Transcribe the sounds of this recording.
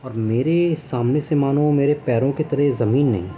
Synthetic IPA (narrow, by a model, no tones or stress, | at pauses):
ɔːɾmeːɾesaːmnesemaːnõmeːɾepɛːɾõket̪ɐɾəɦzɐmiːnːɐ̰ɦĩ